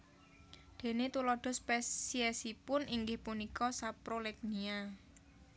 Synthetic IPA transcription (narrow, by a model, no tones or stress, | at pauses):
d̪̥e̤net̪ulɔɖ̪̥ɔ̤spɛsiɛsipʊnʔiŋɡɪhpunikɔsapɾolɛk̚nia